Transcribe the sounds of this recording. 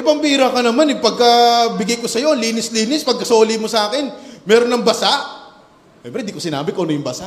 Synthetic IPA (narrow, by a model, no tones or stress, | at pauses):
ʔɪbɐmpiːɾɐkɐnɐmanɪpɐɡ̚kɐbɪɡɐjkosɐjo̞liːnɪsliːnɪspɐɡ̚kɐso̞ːlimosɐaːkɪnmɛːɾonːɐŋbɐsaʔ | ʃɛmpɾɛnd̪ikosɪna̰ːbɪkonɐjʊŋbɐsa